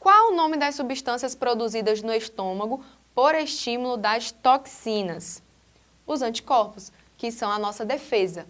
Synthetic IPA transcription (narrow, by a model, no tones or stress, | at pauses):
kwawʊnõmɪd̪ɐssubiʃt̪ɐ̃siɐspɾod̪uzid̪ɐznʊeʃt̪õmɐɡʊ | poɾeʃt͡ʃĩmulʊd̪ɐst̪oksĩnɐs | ʊzɐ̃t͡ʃi̥kɔɾpʊs | kɪsɐ̃w̃ɐnɔsɐd̪efezɐ